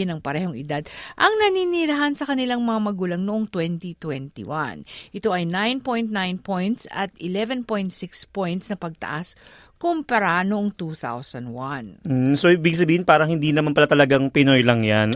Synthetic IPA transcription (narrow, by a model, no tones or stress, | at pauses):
ɪnɐŋpɐɾɛːho̞ŋɪd̪ad̪̚ʔɐŋnɐniniːɾɐɦansɐkɐnɪlaŋmɐŋamɐɡuːlɐŋnoʔoŋt̪wɛnt̪it̪wɛnt̪ḭwa̰nʔɪt̪o̞ʔɐjnajnpo̞jnt̪̚najnpojnt̪sɐt̪ɪlɛvɛnpo̞jnt̪sɪkspojnt̪snɐpɐɡ̚t̪ɐ̰ʔas | kompɐɾanoʔoŋt̪uθa̰wsɐnd̪wan̩soɪbɪɡk̚s̬ɐbiːhɪnpaːɾɐŋhɪnd̪inɐmanpɐlat̪ɐlɐɡaŋpɪno̞jlɐŋjan